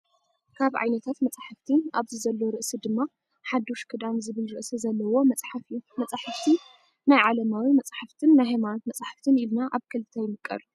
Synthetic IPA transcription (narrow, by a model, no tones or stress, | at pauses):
kʰaβʕa̰jnɐt̪ʰat̪mɐt͡sʼaħɨft̪ʰɨnʔaβzizɐlːo̞ɾɨʔsid̪ɨmːa | ħad̪oʃkʰɨd̪amzɨβɨlɾɨʔsizɐlːɐwo̞mɐt͡sʼaħɨft̪ʰi | najʕalɐmawimɐt͡sʼħɨft̪ʰɨnːajɦajmanot̪mɐt͡sʼaħɨft̪ʰɨnilnaʔa̰βkʰɨlɨt̪ʰajɪmɨkʼːɐ̰ɾ